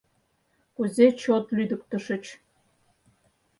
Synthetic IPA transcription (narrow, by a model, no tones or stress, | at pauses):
kuzet͡ʃʰot̪lyd̪ɨk̚ʷʼt̪ɨʂɨt͡ʃʰ